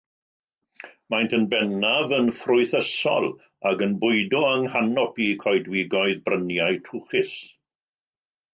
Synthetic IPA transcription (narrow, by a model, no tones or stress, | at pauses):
majntʰənbɛnavənfrʊɨθəsɔ̰lˠ | aɡənbʊɨdʊəŋhanɔpikʰɔjdwɪɡɔɨðbrənjajtʰʊχɪs